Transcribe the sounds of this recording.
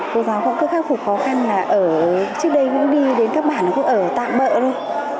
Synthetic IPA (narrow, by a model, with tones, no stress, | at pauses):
ko˨˦zaː˨˦wkɔ˧˥kəː˧˥kxaː˦˥k̚fʊ˨˩xɔ˨˦xa˧nlaː˨˩ʔəː˧˩t͡ɕɨ˦˥k̚ɗə˧jkʊ̰˧˥ŋ͡mɗi˧ɗe˨˦nkaː˦˥k̚ɓaː˧˩nːa˨˩kʊ̰˧˥ŋ͡mʔəː˧˩t̪a̰ː˧˨mɓə̰ː˧˨zo˧j